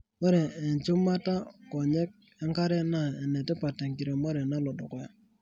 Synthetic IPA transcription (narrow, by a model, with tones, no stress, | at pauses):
mɔ˦ɾɛ˨ɛ˨ɲt͡ʃu˦ma˦ta˦kɔ˨ɲɛ˦k̚ | ɛ˦ŋka˦ɾɛ˦na˦˨ɛ˨nɛ˨tɛ˦pa˨tɛ˨ŋki˨ɾe˨mɔ˦ɾɛ˨na˦lɔ˨dɔ˨kɔ˦ja˨